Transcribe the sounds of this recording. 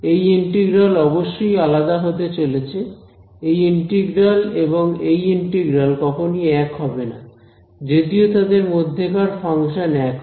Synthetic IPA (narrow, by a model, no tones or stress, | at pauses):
ejiɳʈeɡɾalɔboʃːojalad̪aɦot̪et͡ɕolet͡ɕʰe | ejiɳʈeɡɾaleboŋejiɳʈeɡɾalkɔkʰoniɛkɦɔbena̰ | d͡ʑed̪iot̪ad̪eɾmod̪ʱːekaɾfaŋʃanɛk